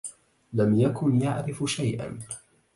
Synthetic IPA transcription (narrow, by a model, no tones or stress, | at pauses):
lamjakʊnjaʕɾɪfʃajʔa̰n